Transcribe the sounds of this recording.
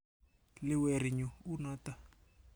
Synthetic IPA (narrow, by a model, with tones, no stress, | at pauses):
lɪ˦we˨ɾi˨ɲu˨u˦nɔ˦ta˦